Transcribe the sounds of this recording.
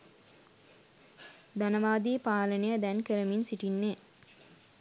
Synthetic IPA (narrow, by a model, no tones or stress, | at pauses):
d̪anəʋaːd̪iːpaːlənejəd̪ænkəɾəminsiʈinːe